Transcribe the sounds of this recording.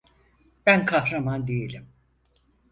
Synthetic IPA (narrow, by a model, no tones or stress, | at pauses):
bænkʰahɾamand̪ejelʲim